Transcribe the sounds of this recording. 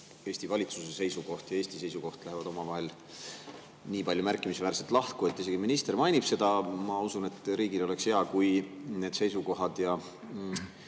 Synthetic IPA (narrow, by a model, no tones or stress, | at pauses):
eːsʲt̪ivɑlʲit̪susese̞jsuko̞ht̪jɑeːsʲt̪ise̞jsuko̞ht̪læɦevɑd̪̥o̞mɑvɑɦe̞l | niːpɑlʲjumærkːˑimisevæːɾset̪ˑlɑhtkue̞t̪ːˑise̞ɡ̥iminist̪e̞rmɑjnib̥se̞d̪̥ɑmɑusune̞t̪ːˑɾiːɡilo̞le̞kshe̞ɑkujne̞ːd̪̥se̞jsuko̞ɦɑd̪̥jɑ